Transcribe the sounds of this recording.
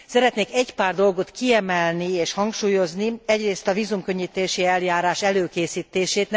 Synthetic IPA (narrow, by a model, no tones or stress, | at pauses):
sɛɾɛt̪neːkɛɟpaːrd̪o̞lɡo̞t̪kiɛmɛlnieːʃhɒŋkʃuːjo̞zniɛɟreːst̪ɒviːzumkø̞ɲːit̪eːʃiɛljaːɾaːʃɛløːkeːsiːt̪eːʃeːt̪n